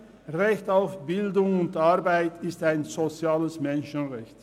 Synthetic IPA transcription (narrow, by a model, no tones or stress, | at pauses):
ʁɛçtaʊfb̥ɪldʊŋʊntaʁbaɪtʰɪstaɪnzot͡sjaːləsmɛnʃənʁɛçt